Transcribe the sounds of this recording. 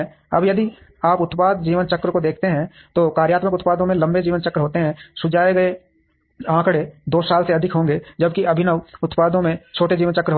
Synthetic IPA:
ɐbjɐd̪i | aːpʊt̪paːd̪d͡ʒiːʋənt͡ʃɐkːɾəkod̪eːkʰt̪eɦɛ̃ | t̪oːkaːɾjaːt̪məkʊt̪paːd̪õmẽlɐ̃mbed͡ʒiːʋənt͡ʃɐkɾəɦoːt̪eɦɛ̃sʊd͡ʒaːeɡɐe | ãːkɽed̪oːsaːlseɐd̪ʱɪkɦõːŋɡed͡ʒɐbkiɐbʱɪnəʋʊt̪paːd̪õmẽt͡ʃʰoːʈed͡ʒiːʋənt͡ʃɐkɾəɦ

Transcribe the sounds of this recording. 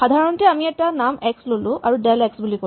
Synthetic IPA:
xad̪ʱaɹɔntɛamiɛtanamɛkslolʊ̃a̰ɹuɖɛlɛksbuliko

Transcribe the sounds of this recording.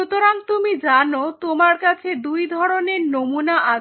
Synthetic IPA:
ut̪oɾaŋt̪umid͡ʑanot̪omaɾkat͡ɕʰed̪ujd̪ʱɔɾoneɾnomunaʔa

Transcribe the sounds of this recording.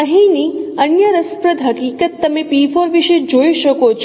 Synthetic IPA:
əɦiniənjəɾəspɾəd̪ʱɦəkiːkət̪ːəmepifoɾʋiʃed͡ʒojʃəkot͡ʃʰ

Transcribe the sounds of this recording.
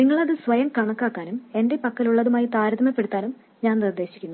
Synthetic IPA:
niŋːɐɭɐðɨsʋɐjɐmkɐɳɐkːaːkːaːnume̞nde̞pɐkːɐluɭːɐðumaːjit̪aːɾɐðɐmɐpːe̞ɽut̪ːaːnum | ɲaːnnird̪ːe̞ːɕikʲːunːu

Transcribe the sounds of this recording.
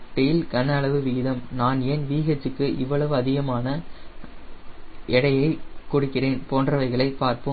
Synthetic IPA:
ʈejɪlkɐnɐːɭɐʋɯʋiːɪðɐmnaːnɛnʋiːɣɐt͡ʃːɯkːɯʔɪʋːɐɭɐʋɯɐðɪɣɐmaːnɐ | ʔɛɽɐjɐɪkːʊɽɯkːɪreːnpoːndrɐʋɐɪɣɐɭɐɪpːaːɾpɯ

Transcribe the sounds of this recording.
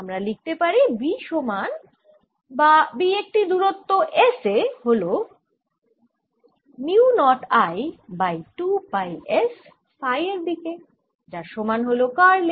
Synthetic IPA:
amɾalik̚t̪epaɾibiʃoman | babiek̚ʈid̪uɾot̪ːoʔeseɦolo | miunɔʈajbajʈubajes | fajeɾd̪ike | d͡ʒaʃomanɦolokaɾle

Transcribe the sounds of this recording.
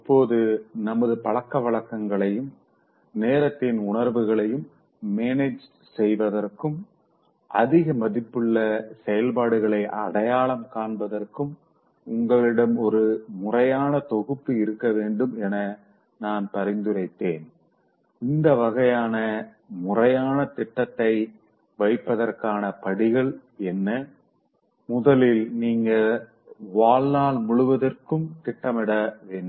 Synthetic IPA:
ɪpːoːðɯnɐmɐðɯpɐɭɐkːɐʋɐɭɐkːɐŋɡɐɭɐjɯm | neːɾɐt̪ːɪnʊɳɐɾʋɯɣɐɭɐjɯmː | eːned͡ʒ | sɛjʋɐðɐrkɯm | ʔɐ̰ðɪɣɐmɐðɪpːɯɭːɐsɛjɐlpaːɽɯɣɐɭɐɪʔɐ̰ɽɐjaːɭɐmkaːɳbɐðɐrkɯm | ʊŋɡɐɭɪɽɐmɔɾɯmʊrɐjaːnɐt̪ɔɣɯpːɯɪɾɯkːɐʋeːɳɖɯmɛnɐ | naːnpɐɾɪnd̪ɯɾɐɪt̪ːeːn | ɪnd̪ɐʋɐɣɐjaːnɐ | mʊrɐjaːnɐt̪ɪʈːɐt̪ːɐɪ | ʋɐɪpːɐðɐrkaːnɐpɐɽɪɣɐɭɛnːɐ | mʊðɐlɪlniːŋɡɐ | ʋaːɭnaːɭmʊɭɯʋɐðɐrkɯmt̪ɪʈːɐmɪɽɐʋeːɳːɯ

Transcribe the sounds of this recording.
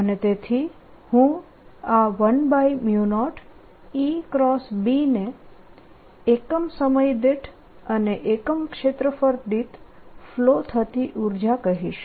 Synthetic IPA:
ənet̪et̪ʰi | hũ | aʋənbajmjunɔʈ | ikɾɔsbine | kəmsəməjd̪eʈʰ | əneʔekəmkʃet̪ɾəfəɾd̪it̪flot̪ʰət̪iʔuɾd͡ʒakəɦiʃ

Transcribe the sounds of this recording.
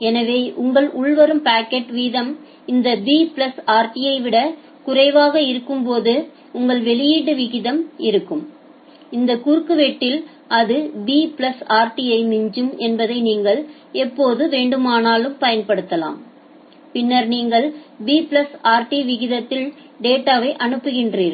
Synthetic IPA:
ɛnɐʋeːʔʊŋɡɐɭʔʊɭʋɐɾɯmpaːkːɛʈʋiːðɐm | ɪnd̪ɐbiːpɭɐsaːɾʈɪjɐɪʋɪɽɐ | kʊrɐɪʋaːɣɐɪɾɯkːɯmpoːðɯ | ʊŋɡɐɭʋɛɭɪjiːɽɯʋɪɣɪðɐmɪɾɯkːɯm | ɪnd̪ɐkuːɾkːɯʋɛʈːɪl | ʔɐðɯbiːpɭɐsaːɾʈijɐɪmɪɲd͡ʒɯmɛnbɐðɐɪniːŋɡɐɭ | ɛpːoːðɯʋeːɳɖɯmaːnaːlɯmpɐjɐnpɐɽɯt̪ːɐla̰ːm | pɪnːɐɾniːŋɡɐɭbiːpɪɭɐsaːɾʈiʋɪɣɪðɐt̪ːɪl | ɖeːʈːaːʋɐɪʔɐnɯpːɯɣɪndriːɾ

